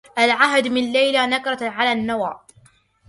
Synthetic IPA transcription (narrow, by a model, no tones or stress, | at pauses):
ʔalʕaɦd̪mɪnalːajlanakɾˤɑʕalaːnːawa̰ː